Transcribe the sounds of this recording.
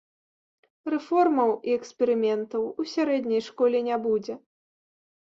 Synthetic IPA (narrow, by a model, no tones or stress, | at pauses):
rɛfɔrmɐwiɛksʲpʲɛɾɨmʲɛnt̪ɐwusʲaɾɛd̪ʲnʲɐjʂkɔlʲɛnʲabud͡zʲɛ